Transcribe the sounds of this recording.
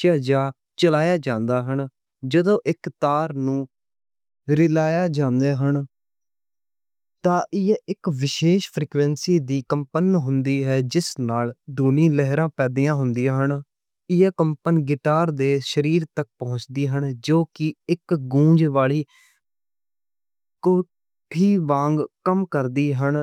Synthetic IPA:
t͡ʃaːd͡ʒaː | t͡ʃəlaːjaːd͡ʒãːnd̪aːɦən | d͡ʒəd̪õːʔɪkt̪aːɾnũː | ɾɪlaːjaːd͡ʒãːnd̪eːɦən | t̪ãːʔɪɛɪkʋɪʃeːʃpʰɾiːkʋɛ̃ːnsiːd̪iːkəmpənɦʊnd̪iːɦɛːd͡ʒɪsnaːld̪ʊnĩːləɦɾãːpɛːd̪iːãːɦʊnd̪ijãːɦən | ɪaːkəmpənɡɪʈaːɾd̪eːʃəɾiːɾt̪ək̚pəɦʊ̃t͡ʃd̪iːɦəɳd͡ʒoːkɪɪkɡũːd͡ʒʋaːɭiː | koː | iːʋãːŋɡkəmkəɾd̪iːɦən

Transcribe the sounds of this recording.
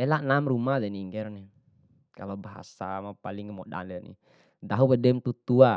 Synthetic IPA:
ɛlanamrumadɛniŋɡɛɾɔnɛ | ka̰lɔbaɦa̰samapaliŋmɔda̰nɛdɛnḭ | daɦupɛdɛmt̪ut̪ua

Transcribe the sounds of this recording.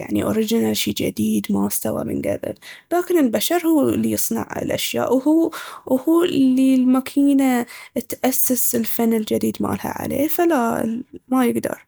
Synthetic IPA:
ja̰ʕniʔoɾɪd͡ʒɪnalʃiːd͡ʒa̰d̪iːd̪mast̪awa̰mɪ̰nɡa̰bɪ̰llaːkɪnɪlbaʃɑɾˤhuːlːijɨsˤnɑ̰ʕɪ̰lʔaʃja̰ːʔwhuːwhuːlːilmakʰiːnat̪ʔasːasɪlfanːɪld͡ʒad̪iːd̪ma̰ːlha̰ʕa̰lḛːfalamajɪɡd̪ɑ̰ɾˤ

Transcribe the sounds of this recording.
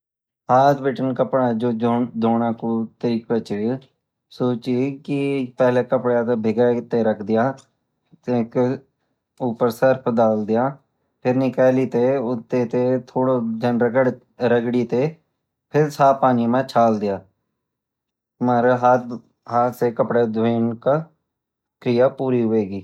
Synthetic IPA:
ɦaːt̪ʰbɪʈənkəpɽãːd͡ʒoːd̪oːɽãːkuːt̪əɾiːkət͡ʃə | soːt͡ʃiːkɪpɛːleːkəpɽãːt̪eːbʱɪɡaːt̪ːeːɾəkʰd̪ɪjãː | t̪eːk | ʊpəɾsəɾpʰd̪aːld̪ɪjãː | pʰɪɾnɪkaːliːt̪eːʊt̪ːeːt̪eːt̪ʰoːɽoːd͡ʒənɾəkəɽ | ɾəɡɽiːt̪eː | pʰɪɾsaːpaːnimãːt͡ʃʰaːld̪ɪjaː | məɾɦaːt̪ | ɦaːt̪seːkəpɽaːd̪ʋeːnka | kɾɪjaːpuːɾiːɦʊʋeːɡiː

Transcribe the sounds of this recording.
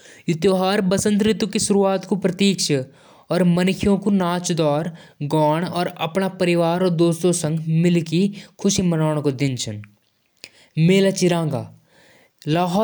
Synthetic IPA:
jʊt̪joːɦaːɾbəsə̃nt̪ɾɪt̪wkisʊɾuaːt̪kopɾɐt̪iːkʃə | ɔːɾmɐnɪkʰijõkunaːt͡ʃd̪ɔːɾɡɔːɽ̃ɔːɾɐ̰pnapɐɾɪʋaːɾɔːɾd̪oːst̪õsə̃ŋɡʱmɪlkikʰʊʃimənaːɽ̃kod̪ɪnt͡ʃʰən | meːlat͡ʃɪɾãːɡa̰ː | laːɦɔː

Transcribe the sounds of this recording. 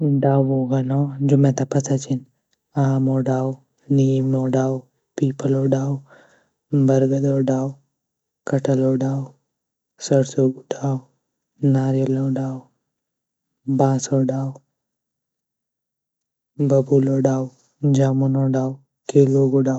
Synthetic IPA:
ɖaːwoɡɐnɔd͡ʒʊmẽt̪apɐsat͡ʃin | aːmoːɖaːw | niːmnoɖaːw | piːpəloːɖaːw | bɐɾɡɐd̪oɖaːw | kɐʈəloːɖaːw | sɐɾsoɡuɖaːw | naːɾjɐloːɖaːw | baːsoɖaːw | bɐbuloɖaːw | d͡ʒaːmunoːɖaːw | keːloːɡoɖaː

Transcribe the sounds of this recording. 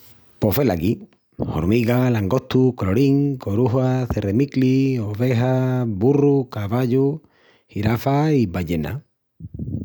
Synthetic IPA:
pofe̞laki | ho̰ɾmiɣalaŋɡo̞ht̪ukloɾiŋkoɾuɦaθeremiklioβe̞ɦaβurukaβaʎu | hiɾafaiβaʎena̰

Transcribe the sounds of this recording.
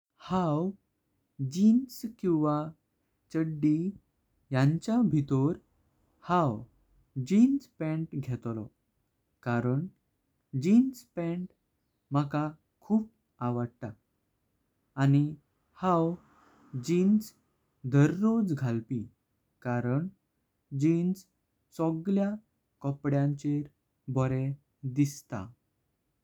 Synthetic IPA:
haw | d͡ʑinskĩw̃ʋa | t͡ɕəɖːi | jãɲt͡ɕabʱit̪oɾ | hãw | d͡ʑinspɛ̃ɳʈɡʱɛt̪lɔ̰ | kaɾəɳ | d͡ʑinspɛ̃ɳʈ | m̤əka | kʰuːp̚ | aʋəɽt̪a | ni | hãw | d͡ʑins | d̪ʱəɾːod͡zɡʱalpi | kaɾəɳ | d͡ʑins | sɔɡlja | kɔpɽjãɲt͡ɕeɾ | bɔɾe | d̪ist̪a̰

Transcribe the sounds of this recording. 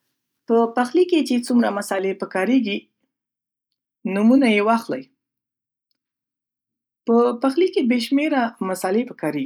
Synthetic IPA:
pəpaxliket͡ʃet͡sumɾamasɑlepəkɑɾeɡi | numunajewɑxla̰j | pəpaxlikebeʃmeɾamasɑlepəkɑɾeɡi

